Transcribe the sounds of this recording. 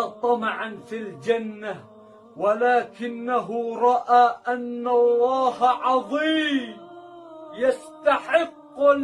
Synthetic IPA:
t̪ˤɑmɑʕanfild͡ʒanːa | walaːkɪnːaɦʊɾˤɑʔaːʔanːalˤːɑːhaʕɑðˤiːm | jast̪aħɪqːʊ

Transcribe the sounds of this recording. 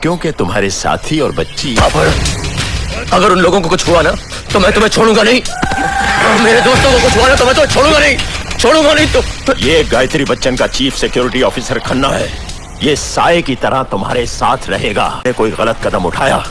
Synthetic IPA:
kjõːket̪ʊmɦa̰ːɾesa̰ːt̪ʰiɔːɾbɐtːʃiapɐɾ | ɐɡəɾʊnloːɡõkokʊt͡ʃʰɦuana | t̪omɛ̃ːt̪ʊmẽt͡ʃʰoːɽũːŋɡanɐɦĩː | ɔːɾmeːɾed̪oːst̪õkokʊt͡ʃʰɦuanat̪omɛ̃ːt̪ʊmẽt͡ʃʰoːɽũːŋɡanɐɦĩt͡ʃʰoːɽũːŋɡanɐɦĩt̪ojeɡaːjt̪ɾibɐtːʃənkat͡ʃiːfsɪkjoːɾɪʈiɔːfiːsəɾkʰɐnːaɦɛː | jeːsaːekit̪ɐɾat̪ʊmɦa̰ːɾesaːt̪ʰɾɐ̰ɦeːɡa̰ːnekoːiɣɐlət̪kɐd̪əmʊ̰ʈʰaːja̰ː

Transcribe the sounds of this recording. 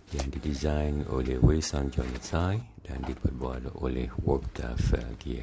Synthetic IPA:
jãndidizãjno̰lewesɔ̃nd͡ʒɔ̃nəsajdãndipəbalo̰lɛhwɔktʰafəɡi

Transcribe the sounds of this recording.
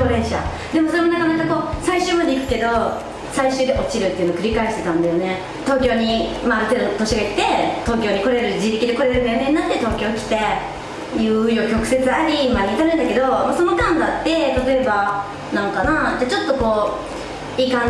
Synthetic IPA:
oɾẽ̞ɰ̃ɕa̰ | d̪e̞mosoɾe̞mo̞nakanakako̞ːsaiɕɨːmad̪e̞ikɯ̟̥ke̞d̪o̞ | saiɕɨːd̪eʔo̞t͡ɕiɾɯ̟t̪ːeiɯ̟nokɯ̟ɾʲikaeɕi̥t̪e̞t̪ãnd̪ajo̞ne̞ | t̪o̞ːkʲo̞ːɲ̟imaːɾɯ̟t̪ed̪ot̪o̞ɕiɡaii̥t̪e̞t̪o̞ːkʲo̞ːɲ̟iko̞ɾe̞ɾɯ̟d͡ʑit̪e̞kʲid̪e̞ko̞ɾeɾɯ̟̃nd̪ajonenːat̪ːe̞t̪o̞ːkʲo̞ːkʲi̥t̪e̞ | jɯ̟ːijokʲokɯ̟̥se̞t͡sɨaɾʲimaiːt̪anɯ̃nd̪ake̞d̪o̞moso̞no̞kãnd̪at̪ːe̞t̪at̪o̞e̞ba | nãŋkanatat͡ɕo̞t̪ːo̞ko̞ː | iːkã

